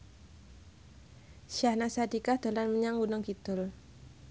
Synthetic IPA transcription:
ʃahnasadikaht̪olanməɲaŋɡunɔŋkit̪ʊl

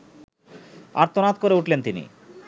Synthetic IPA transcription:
a̰ɾt̪onat̪koɾeuʈlent̪inḭ

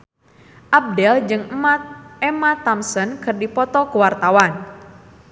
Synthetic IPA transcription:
ʔab̚dɛld͡ʒɨŋəmat̪̚emat̪amsənkɨrdipɔt̪ɔkəwart̪awan

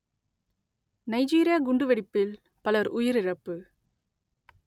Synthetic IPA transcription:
nɐɪd͡ʒiːɾɪjaːɡʊɳɖɯʋɛɽɪpːɪl | pɐlɐɾʔʊjɪɾɪɻɐpːɯ

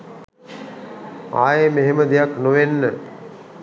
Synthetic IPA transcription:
a̰ːjemeɦeməd̪ijaknuʋenːə

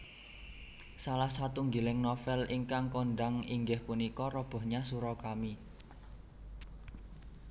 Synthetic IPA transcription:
salahsat̪uŋɡilɪŋnɔfɛliŋkaŋkoɳɖaŋiŋɡɪhpunikɔɾɔb̥ɔ̤hɲasuɾɔkami

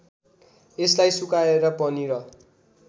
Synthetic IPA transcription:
eslajsukaeɾʌpʌniɾʌ

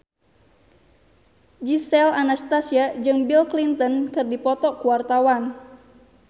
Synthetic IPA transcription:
d͡ʒisɛlanast̪asiad͡ʒɨŋbilklint̪ɔnkɨrdipɔt̪ɔkuwart̪awan

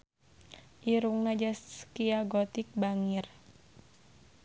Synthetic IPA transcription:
ʔiɾuŋnad͡ʒaskiaɡɔt̪ik̚baŋir

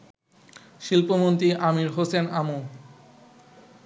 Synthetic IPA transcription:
ʃilpomont̪ɾiʔamiɾɦosenamu

